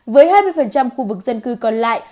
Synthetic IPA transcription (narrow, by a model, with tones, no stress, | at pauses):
vəː˨˦jɦhaː˧jmɨ˧jfə˨˩nt͡ɕa˧mxu˧vɨ˨˩k̚zə˧nkɨ˧kɔ˧nla̰ː˧˨j